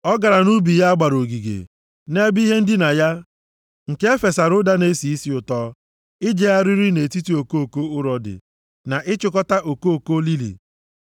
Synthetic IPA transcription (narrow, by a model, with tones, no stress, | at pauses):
ɔ˦ɡa˨ɾa˨nu˦bi˨ja˦a˦ɡ͡ba˨ɾo˨ɡi˨ɡḛ˨ | ne˦bi˦ɦe˦n̩˦dɪ˦na˨ja˦ | ŋ̩˨ke˦e˦fe˨sa˨ɾʊ˦da˦ne˦si˨i˦si˦ʊ˨tɔː˦ | ɪ˦d͡ʒe˦ja˦ɾi˦ɾi˦ne˨ti˦ti˦o˨ko˦o˨ko˦ʊ˦ɾɔ˨dɪ̰˨ | na˨ʔɪ˦t͡ʃʊ˦kɔ˦ta˦ʔo˨ko˦o˨ko˦li˦lḭ˨